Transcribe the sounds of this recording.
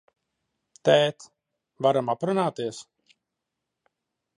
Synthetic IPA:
t̪ɛːt̪ | vaɾamapɾunaːt̪iɛs

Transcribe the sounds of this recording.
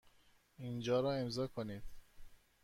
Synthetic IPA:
ind͡ʒɒːɾɒːe̞mzɒːkʰoniːd̪̥

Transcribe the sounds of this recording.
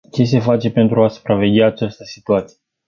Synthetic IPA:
t͡ʃe̞s̬e̞fat͡ʃe̞pe̞nt̪ɾuasu̥pɾave̞ɡʲaːt͡ʃast̪əsi̥t̪uat̪sije

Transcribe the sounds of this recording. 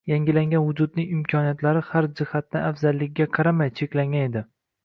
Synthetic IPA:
jaŋɡʲɪlaŋɡʲanvʊd͡ʒʊd̪nɪŋɪmkʲʰɒnijat̪laɾɪhaɾd͡ʒɪhat̪̚nɪafzalːɪkʲɡʲaqʰɑɾamajt͡ʃʰe̞kʲlaŋɡʲaned̪ɪ

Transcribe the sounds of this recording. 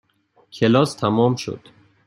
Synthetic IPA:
kʲʰelɒːst̪ʰæmɒmʃo̰d̪̥

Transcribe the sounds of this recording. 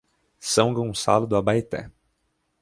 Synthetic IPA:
sɐ̃w̃ɡõsa̰lʊd̪ʊabajit̪ɛ̰

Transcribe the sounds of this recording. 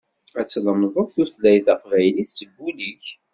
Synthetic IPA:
æt͡sːləmðˤəðˤθuθlæjθæqvæjliθsəbːuliç

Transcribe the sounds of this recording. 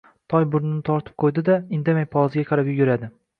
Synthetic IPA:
t̪ʰɒjbʊɾnɪnɪt̪ʰɒɾt̪ʰɪ̥p̚qʰojd̪ɪd̪aɪnd̪amajpʰɒzɪɡʲaqʰɑɾapjʊɡʲʊɾad̪ɪ

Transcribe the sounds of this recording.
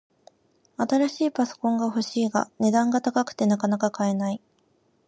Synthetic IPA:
at̪aɾaɕiːpaso̞̥kõ̞ŋɡaho̞ɕiːɡa̰ne̞d̪ãŋɡat̪akakɯ̟̥t̪e̞nakanakakae̞nai

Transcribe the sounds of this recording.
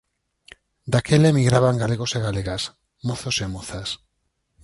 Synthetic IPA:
d̪akelemiɣɾaβaŋɡaleɣ̞oseɣaleɣas | moθosemoθas

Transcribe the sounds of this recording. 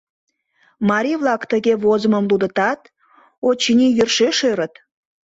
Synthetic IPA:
mɑɾʲiβlˠɑkt̪əɣeβozəməmlud̪ət̪ɑt̪ | ot͡ɕinijørʃeʃøɾət̪

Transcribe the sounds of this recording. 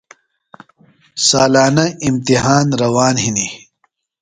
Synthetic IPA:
saːlaːnɐimt̪iɦaːnɾɐwaːnɦini

